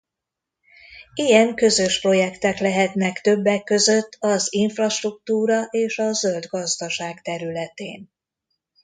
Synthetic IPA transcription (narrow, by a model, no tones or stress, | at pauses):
ijɛŋkø̞zø̞ʃpro̞jɛkt̪ɛklɛɦɛt̪nɛkt̪ø̞bːɛkːø̞zø̞t̪ːɒziɱfrɒʃt̪ruk̚t̪uːɾɒʔeːʃɒzø̞ld̪ɡɒzd̪ɒʃaːɡt̪ɛɾylɛt̪ḛːn